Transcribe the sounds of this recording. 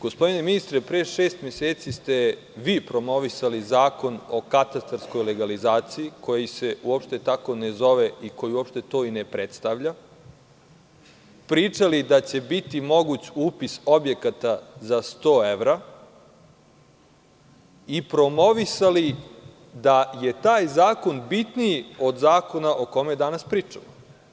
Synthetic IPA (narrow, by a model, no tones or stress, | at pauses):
ɡ̥ospo̞d̪ine̞minist̪ɾepɾeʃeːst̪mʲjeseːt̪sist̪e̞ | ʋiːpɾo̞mo̞ʋisalizaːko̞no̞kat̪ast̪aɾsko̞jle̞ɡalizaːt̪siiko̞jise̞uo̞pʃt̪e̞t̪ako̞ne̞zo̞ʋe̞iko̞jiuopʃt̪e̞t̪o̞ːinepɾet̪st̪aʋʎa | pɾiːt͡ʂalid̪at͡ɕe̞bit̪imo̞ɡut͡ɕuːpiso̞bje̞kat̪azast̪o̞ːeʋɾa | ipɾo̞mo̞ʋisali | d̪aje̞t̪aːjzaːko̞nbit̪niio̞d̪zaːko̞naʔo̞ko̞mejed̪anaspɾiːt͡ʂamo